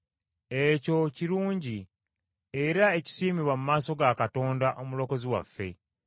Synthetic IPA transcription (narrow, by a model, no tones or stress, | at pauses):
eco̞ciɾuːɲɟi | eɾae̞ci̥siːmiβwamumaːso̞ɡakato̞ːndaʔo̞mulo̞ko̞ziwa̰fːe̞̰